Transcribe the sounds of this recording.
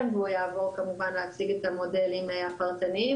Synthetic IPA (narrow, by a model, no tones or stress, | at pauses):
bojavokamuvanasiɡat̪amod̪ɛlimajapalˠt̪ani